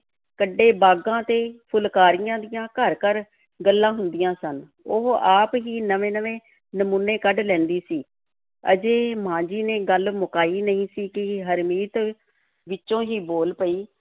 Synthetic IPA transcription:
kəɖːeːbaːɡãːt̪eːpʰʊlkaːɾɪjãːd̪ɪjãːkəɾkəɾ | ɡəlːãːɦʊnd̪ɪjãːsən | ʊɦaːpɦiːnəʋẽːnəʋẽː | nəmuːnːeːkəɖlɛ̃ːnd̪iːsiː | ə̰d͡ʒeːmãːd͡ʒiːneːɡəlmʊkaːiːnəĩːsiːkɪɦəɾmiːt̪ | ʋɪt͡ʃːʃõːɦiːboːlpəiː

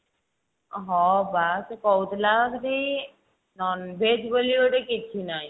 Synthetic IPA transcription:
ɦɔ̃baskɔwt̪lakɾej | nɔnbʱed͡ʒbolioʈekit͡ʃʰinaj

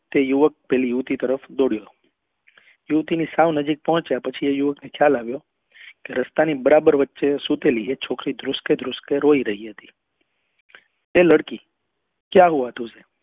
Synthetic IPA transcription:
t̪ejuʋək̚pɛlijuʋt̪it̪əɾəfd̪oɽjo | juʋt̪inisaʋnəd͡ʒik̚pɔɦə̃t͡ʃjapət͡ʃʰiejuʋəknekʰjalaʋjo | keɾəst̪anibəɾabəɾʋətːʃesut̪eliet͡ʃʰokɾid̪ɾʊsked̪ɾʊskeɾoiɾəɦiɦət̪i̥ | eləɽki | kjaɦuʋat̪use

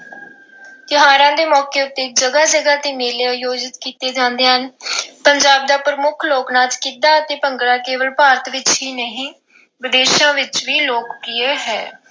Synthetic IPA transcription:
t̪ɪɦaːɾãːd̪eːmɔːkeːʊt̪ːeːd͡ʒəɡaːd͡ʒəɡaːt̪eːmeːleːajoːd͡ʒɪt̪kiːt̪eːd͡ʒãːnd̪eːɦənpəɲd͡ʒaːb̚d̪aːpɾəmʊkʰloːknãːt͡ʃkid̪aːət̪eːpəŋɡɾãːkeːʋəlpaːɾət̪ʰʋɪt͡ʃɦiːnəɦĩː | ʋɪd̪eːʃãːʋɪt͡ʃʋiːloːkːɪeːɦɛ̰ː

